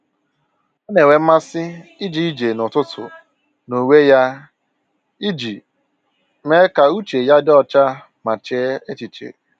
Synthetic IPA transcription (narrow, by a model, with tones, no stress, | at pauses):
ɔ˦ne˨we˨m̩˦ma˦sɪ˦i˦d͡ʒi˦i˦d͡ʒe˨nʊ˨tʊ˦tʰʊ̰˨ | no˨we˦ja˦ | i˦d͡ʒi˨ | me˦ka˨u˦t͡ʃe˨ja˦dɪ˦ɔ˦t͡ʃa˦ | ma˨t͡ʃe˦e˦t͡ʃi˨t͡ʃḛ˨